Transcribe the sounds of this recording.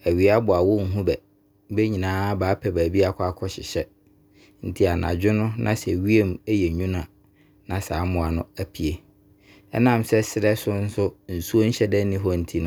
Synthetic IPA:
æ˨ɥi˨a˦bʊ˨a˨wʊ˦ŋ̩˦˨ɦũ˦bɛ˨˦ | be˦ɲĩ˨nãː˨˦baː˨˦pʰɛ˨bæː˨bi˦a˦kʰa˦kʰɔ˦ɕɪ̰˨ɕɛ˦ | n̩˦tʰi˦a˨nã̰˨d͡ʑᶣɪ˦nʊ̃˦nʔã˦sɛ˨ɥi˦e˦mɛ˦jɛ˨ɲũ˦nã˨ | nã˨saː˨˦mʊ̃˨a˨nʊ̃˦æ˨pʰi˨e˨ | ɛ̰˦nã˦˨msɛ˦sɪ˨ɾɛ˦sʊ˦n̩˦sʊ˦n̩˨su˦o˦n̩˦ɕɛ˦dɛ̃˦nĩ˦ɦɔ˦n̩˦tʰi˦nʊ̃˦

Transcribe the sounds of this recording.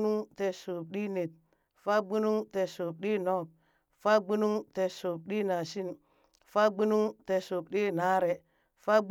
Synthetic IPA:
nu˦ŋte˨so˨p̚ɗi˦ne˨t̚ | fa˦ɡ͡bu˦nu˦ŋte˨so˨p̚ɗi˦nɔ˦˨p̚ | fa˦ɡ͡bu˦nu˦ŋte˨so˨p̚ɗi˦na˨si˦n | fa˦ɡ͡bu˦nu˦ŋte˨so˨p̚ɗi˦na˨˦ɾe˨ | fa˦ɡ͡b

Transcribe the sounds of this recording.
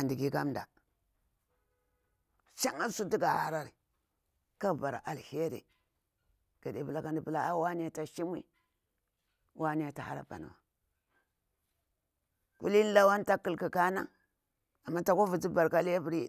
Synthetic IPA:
a˨ndi˨ɡi˦ka˦mda̰˨ | ʃa˦ŋa˦lsu˦di˦ɡa˨ha̰˦ɾa˦ɾi˨ | ka˦˨ba˨ɾa˨ʔa˨lhe˦ɾḛ˨ | ɡ̥a˨de˨˦bu˨la˦ka˦ndi˨bu˦la˨a˦wa˦n˦˨ta˨ʃi˦mḭ˦ | wʔa˦ni˦a˨ta˨ha̰˦ɾa̰˨ba̰˨n̰˨wa̰˨ | kṵ˦li˦n˦la˦wa˦nta˦kːi˨lki˨ka˦na̰˦ | a˨mːa˦ta˨ko˦vu˨d͡zi˦ba˨ɾka˦lbi˨ɾi˦

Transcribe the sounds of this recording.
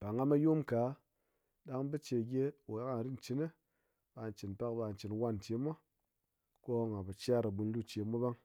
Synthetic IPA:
ba˨ŋa˧ma˧jo˦mka˨˦ | ɗa˧ŋbi˦t͡ʃe˧˨ɡʲe˦wo˨ja˦ka˧˨ɾi˦n̩˨t͡ʃi˨˦ne˦ | ɓa˧˨n˨t͡ʃi˨npa˦k̚ba˧˨n˨t͡ʃi˨nwa˦nte˧˦ma˦ | ko˦˨ŋa˨ba˨t͡ʃʲa˦˨ɾa˨ɓu˧n˦lu˦t͡ʃe˧˦mu˦ba˦ŋ

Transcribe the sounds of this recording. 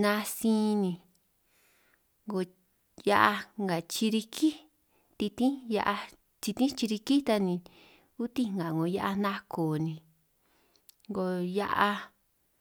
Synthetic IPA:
nã˧sĩː˦˧nĩ˧ | ŋɡo˧˨ | ja˧ʔa˧ŋɡa˨t͡ʃi˧ɾi˧kʰi˦ | t̪i˧t̪ĩ˦ja˧ʔa˧ | t͡ʃi˧t̪ĩ˦t͡ʃi˧ɾi˧ki˦t̪a˧nĩ˧ | u˦t̪ĩ˦ŋ˧ɡã˨ŋɡo˨ja˧ʔa˧nã˦kʰoː˨nĩ˧ | ŋɡo˧ja˧ʔa˧

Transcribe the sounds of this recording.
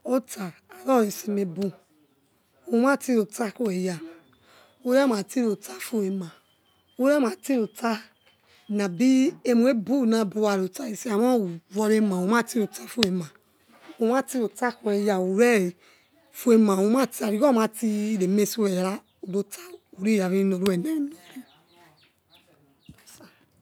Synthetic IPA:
o˦taː˨ɾɔ˦˨ɾi˧si˧me˧bu˧ | o˨˦m˦ã˦˨ti˦ɾo˨ta˦ku˦we˨ja˨ | o˧˦ɾɛ˦ma˨ti˦ɾo˨ta˦fu˧˦e˧mã˨ | o˧˦ɾɛ˦˨ma˨ti˦ɾo˨ta˦ | na˨bi˦e˧mu˨e˦bu˦˨nã˧˦bu˧wa˨ɾo˨ta˧i˧si˦a˨mã˦˨vɔ˧ɾe˧mã˨o˨˦mã˦˨ti˦ɾo˨ta˧fu˦e˨mã˨ | o˧mã˦ti˦ɾo˨ta˦ku˨˧ɛ˧ja˨o˨ɾɛ˦˨ | fu˧e˧mã˨o˨˧mã˦˨ti˦a˨ɾi˨ɔ˦mã˨˧˦ti˧ɾe˨me˧˨si˦˧˦ɛ˨ja˨ɾa˦ | o˨do˧tʰa˦u˨ɾe˦˨ja˨ɾi˦i˧no˨ɾo˦ɛ˨nɛ˦i˦no˨ɾi˦˨ | sa˨

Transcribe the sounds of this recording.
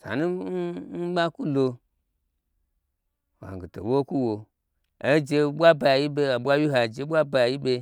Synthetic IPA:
sa̰˨nu˦n̩˦ɓa˦ku˦lo˧ | wa̰˨ɡi˨to̰˨wo˦ku˦wo˨ | e˦d͡ʒe˧ɓʷa˦ba˨a˨ji˦be˦a˨ɓʷa˦wi˦ɦa˨d͡ʒe˨˦ɓʷa˦ba˧˦a˨ji˦ɓe˧

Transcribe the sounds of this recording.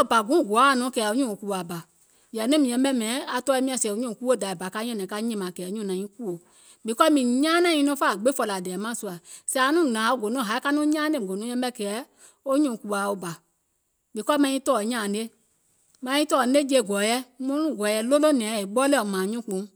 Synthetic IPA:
ɔ˦˨ba˨ɡũ˨˦˨ɡɔ˨a˨˦˨nɔ̃˨˦kɛː˨o˦ɲũ˦˨ku˨a˨ba˨ | jɛ˨nɛ̃˦mĩ˨ɛ̃˧˦bɛ˦mɛ̃˨˦a˨tɔ˧˦ɛ˧˦mĩ˧ã˧˨sɛ˨o˨˦ɲũ˦˨ku˦o˦˨da˨i˨ba˨ka˧˦ɲɔ̃˦nɛ̃˨˦ka˧˦ɲɛ̃˦˧mã˨kɛː˨˦ɲũ˦˨nã˨˦ĩ˦ku˦o˨ | bi˨kɔ˦mĩ˨ɲãː˦nã˦˨ĩ˧nɔ̃˧˦faː˦˨ɡ͡be˦fɔ˧la˨dɛː˨mã˦˨su˧a˨sɛ˧˦˨nũ˦˨nã˨˦o˦˨ɡo˨nɔ̃˦˨ɦa˨˦i˦ka˦nũ˦ɲãː˦ne˦˨o˨nũ˦ɛ̃˧˦bɛ˦˨kɛː˨˦ | o˦ɲũ˨ku˧˨a˨o˧ba˨ | bi˨˦kɔ˦mã˧˦ĩ˦tɔː˦˨ɲãː˨˦e˦ | mã˧˦ĩ˦tɔː˦˨˦e˦d͡ʒe˧˨ɡɔ˨˦jɛ˦mõ˦nũ˦˨ɡɔ˨jɛ˧˦lo˦lo˦nɛ̃˨˦˨e˨ɓɔ˦le˦˨ɔ˨mãː˨ɲũ˦k͡põ˨˦

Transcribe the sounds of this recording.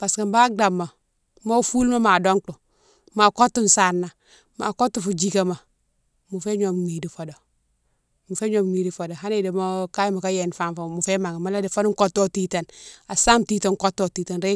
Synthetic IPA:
b̥a˨ska˨mba˦ɡa˨mːa˨ | mo˦fu˦lma˦ma˨do˦ŋtu˨ | ma˨ko˦tːu˦n˨sa˨ɾna˨ | ma̰˨ko˦tːu˨fu˨d͡ʒi˦˨ka˨ma˨ | mu˨fe˦ɲo˨m˨ŋi˨di˨fo˨do˨ | mu˨fe˦ɲo˨mŋi˨di˨fo˨do˨ɦa˦ne˨de˨mo˦ka˦jma˨ka˦je˨n˨fa˦nfa˨mu˨fe˦ma˨ŋa˨ma˨˦la˦de˨fo˦nu˦ŋ˦ko˦tːo˦ti˦ta˨na˨sa˦mti˦ta˨ŋko˦tːo˨ti˨ta˨nɾe˦

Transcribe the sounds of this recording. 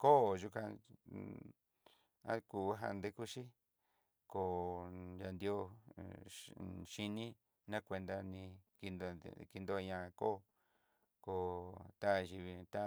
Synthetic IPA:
ko˦˨ʒu˧kã˧ | a̰˦ku˧˨˦ɦa̰˧nd̪e˧ku˦ʃi˦ | ko˨ja˧nd̪jo˦ | ʃi˧nĩ˦ | nã˦kʷe˧nd̪a˧nĩ˧ki˧n̰ki˧nd̪o˧ɲã˧ko̰˦˧ | ko˧t̪a˦˧ʒi˧βi˧t̪a˦

